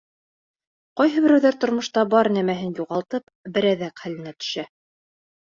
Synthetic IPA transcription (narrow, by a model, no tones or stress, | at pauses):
qɑjɦɤ̆bɘ̆ɾæwðæɾt̪ŏɾmŏʃt̪ɑbɑɾnæmæɦɘnjuʁɑlˠt̪ɤp | bɘ̆ɾæðæqχælɘ̆næt̪ɵ̥̆ʃæ